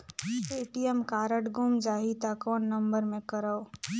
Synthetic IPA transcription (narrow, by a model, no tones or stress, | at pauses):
peːʈijəmkaːɾəʈɡumd͡ʒaːɦit̪akoːnːɐmbəɾmẽkəɾao